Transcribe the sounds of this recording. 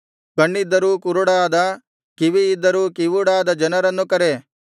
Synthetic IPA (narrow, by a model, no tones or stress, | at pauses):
kɐɳːid̪ːɐɾuːkuɾuɽaːd̪ɐ | kiʋiːd̪ːɐɾuːkiʋuɽaːd̪ɐd͡ʒɐnɐɾɐnːukɐɾe